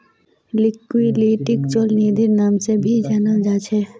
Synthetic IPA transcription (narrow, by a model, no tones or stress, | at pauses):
lɪkːwiliːʈɪkt͡ʃolniːd̪ʱɪɾnaːmsebʱid͡ʒaːnad͡ʒaːt͡ʃʰe